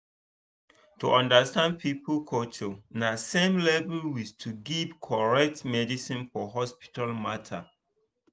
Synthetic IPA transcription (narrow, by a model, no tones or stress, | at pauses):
tʰuʔɔ̃ndəstãnd̚pʰipəlkʰot͡ʃonasẽmlɛvlwistʰuɡivkʰɔɹɛk̚tmɛdisĩnfɔɦɔspi̥tʰalmatʰa̰